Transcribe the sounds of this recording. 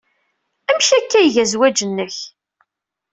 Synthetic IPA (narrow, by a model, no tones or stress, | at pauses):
æmʃækːæjʝæzwæd͡ʒənːəç